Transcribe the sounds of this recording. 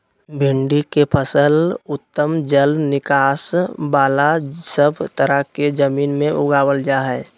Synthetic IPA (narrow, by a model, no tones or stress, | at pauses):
bʱɪɳɖikepʰəsəlʊt̪ːəmd͡ʒəlnɪkaːsbaːlasəbʱt̪əɾəɦked͡ʒəmiːnmẽʔʊɡaːwəld͡ʒaɦɛː